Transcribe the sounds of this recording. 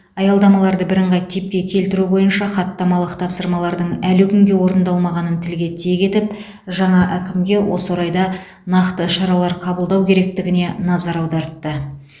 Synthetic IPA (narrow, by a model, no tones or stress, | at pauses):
ɑjɑlˠd̪ɑmɑlˠɑɾd̪əbɪɾəɴʁɑjt̪ʰip̚kʲe̞kʲʰe̞lt̪ɪɾubo̞jənʃɑχɑt̪ːɑmɑlˠəqt̪ʰɑpsəɾmɑlˠɑɾd̪əɴælɪkʲʰʏŋɡʲe̞wo̞ɾənd̪ɑlˠmɑʁɑnənt̪ʰɪlɡʲe̞t̪ʰeɡʲe̞t̪ɪp | ʒɑɴɑʔækʲɪmɡʲe̞wʔo̞səwoɾɑjd̪ɑ | nɑqt̪əʃɑɾɑlˠɑɾqʰɑbəlˠd̪ɑwkʲʰe̞ɾe̞k̚t̪ɪɡʲɪne̞nɑzɑɾɑwd̪ɑɾt̪ːə